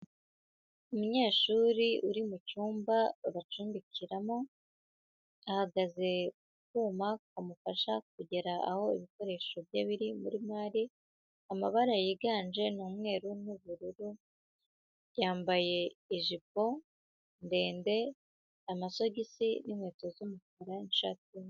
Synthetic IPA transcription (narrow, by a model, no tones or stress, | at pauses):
umuɲe̞ːʃuɾiuɾimucuːmbaβat͡ʃuːnbicʰiɾamo | ahaɡaze̞ | k̚uːmakwamufaʃak̚uɟe̞ɾaaho̞iβiko̞ɾe̞ːʃo̞bjaβiɾimuɾimaːɾi | amaβaɾajiɡaːnd͡ʒe̞nuːmŋe̞ːɾunuβuɾuɾu | jaːmbaje̞ːʒip̚o̞ | nde̞ːnde̞ | amaso̞ɟisinimwe̞ːto̞zumukaɾanʃa̰ti